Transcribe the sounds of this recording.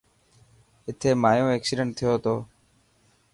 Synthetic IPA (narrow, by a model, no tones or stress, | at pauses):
ɪt̪ʰeːmaːjõːeːksɪɖəɳʈ̚t̪ʰɪjoːt̪oː